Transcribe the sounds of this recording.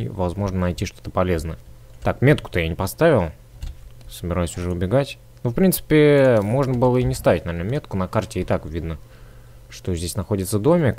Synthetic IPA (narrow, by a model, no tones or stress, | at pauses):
vɐzmo̞ʐnənɐjtʲiʂt̪o̞̥t̪ə̥pɐlʲe̞znəjət̪akmʲe̞t̪̚kʊ̥t̪əjanʲɪpɐst̪avʲɪlˠ | səbʲɪɾajʊsʲʊʐɛʊbʲɪɡatʲ | nofpɾʲint̪sɨ̥pʲɪmo̞ʐnəbɨlˠəinʲɪst̪avʲɪtʲnɐvʲernəmʲe̞t̪kʊnɐkartʲɪɪt̪akvʲid̪nə | ʂt̪o̞zʲdʲesʲnɐxo̞dʲɪt̪səd̪o̞mʲɪk